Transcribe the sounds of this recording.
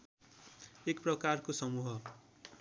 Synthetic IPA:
ekprʌkarkosʌmuɦʌ

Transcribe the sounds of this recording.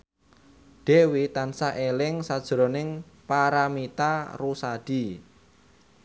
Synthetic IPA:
ɖ̥e̤wit̪ansaʔelɪŋsad̥ʒ̥ɾɔ̤nɪŋ | paɾamit̪arusaɖ̥i

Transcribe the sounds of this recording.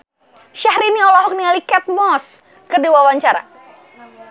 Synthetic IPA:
ʃahɾiniɔlɔɦɔk̚nialikɛt̪̚mɔs | kərdiwawaɲt͡ʃaɾa̰

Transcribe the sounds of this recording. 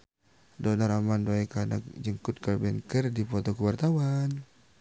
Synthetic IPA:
dɔnaɾamandoɛkana̰kd͡ʒəŋkut̪̚karbɛŋkərdipɔt̪ɔkəwart̪awan

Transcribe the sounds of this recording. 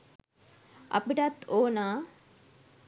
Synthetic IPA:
ɐ̰piʈɐt̪ːoːnaː

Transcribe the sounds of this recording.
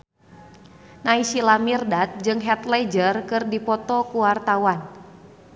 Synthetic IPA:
naisilamirdat̪̚d͡ʒɨŋɦɛt̪lɛd͡ʒərkɨrdipɔt̪ɔkuwart̪awan

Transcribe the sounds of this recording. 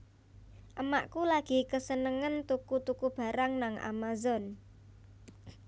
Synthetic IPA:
ʔəma̰ʔkulaɡ̥i̤kəsənəŋənt̪ukut̪ukub̥a̤ɾaŋnaŋʔa̰mazɔn

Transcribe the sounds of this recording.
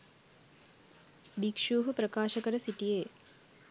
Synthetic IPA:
bikʂuːɦɐpɾɐkaːʃɐkɐɾɐsiʈijeː

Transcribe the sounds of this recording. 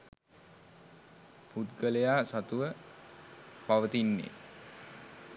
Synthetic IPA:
put̪ɡəlejaːsat̪uʋə | paʋət̪inːḛ

